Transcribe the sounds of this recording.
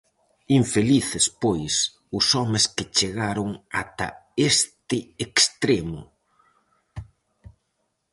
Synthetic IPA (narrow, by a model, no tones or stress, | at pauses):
iɱfeliθɪspojs | ʊsɔmɪskɪt͡ʃeɣaɾʊŋat̪ɐ̰est̪ɪekst̪ɾemʊ